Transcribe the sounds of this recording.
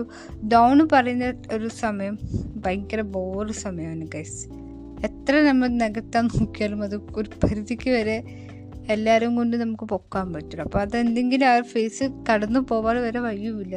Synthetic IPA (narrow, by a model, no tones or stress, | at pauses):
dɐwɳɨpɐrɐjunːɐoɾusɐmɐjɐmbɐjŋkɐɾeboːrusɐmɐjɐmaːnɨkɐjs | et̪ːrɐnɐmːɐɭneɡɐt̪ːaːnnoːkːijaːɭumɐðɨoɾupʰɐɾiðikʲːɨʋɐɾe | elːaːɾɐmko̞ɳɖɨnɐmukːɨpo̞kːaːmpɐtːuɽɐpːo̞ːɐðend̪e̞ŋɡiluaːfeːsɨkɐɽɐnːupo̞ːʋaːɭɨʋɐɾe̞ʋɐɻjumilːɐ